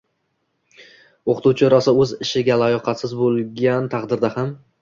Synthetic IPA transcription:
oqʰɨt̪uwt͡ʃʰɪoɾasɪɵzɪʃɪɡʲalajɒqʰɑt̪sɪzbolˠɡʲant̪ʰɑqd̪ɪɾd̪aham

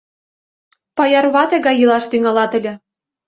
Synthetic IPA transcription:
pɑjɑrβɑt̪ĕɣɑjɯlɑʃt̪yŋɑlɑt̪ə̆lʲɘ̆

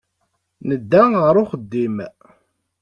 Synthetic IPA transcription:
nəd̪ːæʁəɾʊχəd̪ːim

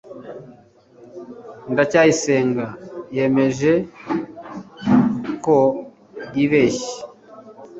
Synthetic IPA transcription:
ndacaːjise̞ːŋɡaje̞me̞ʒe | ko | jiβeːʃe̥

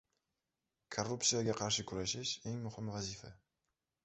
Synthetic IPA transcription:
kʰorːupsijaɡʲaqʰɑɾʃɪkʰʊɾaʃɪʃe̞ŋmʊhɪmvazifa

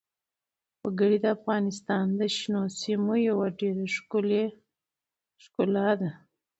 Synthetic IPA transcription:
waɡəɽid̪əafɣɑnɪst̪ɑnd̪əʃnosimojawaʈed̪əʂkule | ʃkolad̪a

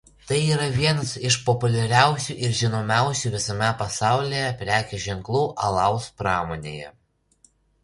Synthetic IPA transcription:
t̪ɐɪiːɾɐʋʲiɛnɐsɪʃpɔpʊlʲɛɾʲæˑʊsʲuʔɪɾʒʲɪnoːmʲæˑʊsʲuʋʲɪsɐmʲɛpɐsɑˑʊlʲejɛpʲɾʲæːkʲuʒʲɛŋklˠuːʔɐlˠɐˑʊspɾɑːmoːnʲḛːjɛ̰

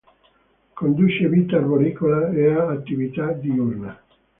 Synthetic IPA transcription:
kond̪ut͡ʃeviːt̪avoɾiːkolaeaːt̪ːivit̪ad̪iurna

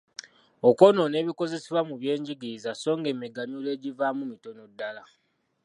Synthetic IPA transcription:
oko̞no̞ne̞ːβiko̞ze̞seβwamuβje̞ːɲɟiɡizaso̞ːŋɡe̞ːmiɡaɲule̞ːɟivaːmumito̞no̞dːala

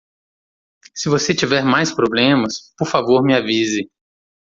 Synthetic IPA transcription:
sɪvoset͡ʃivɛɾmajspɾoblẽmɐspoɾfavoɾmɪavizɪ

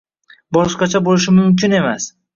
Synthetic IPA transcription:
bɒʃqɑt͡ʃʰabolɪʃɪmʊmkʲʊne̞mas

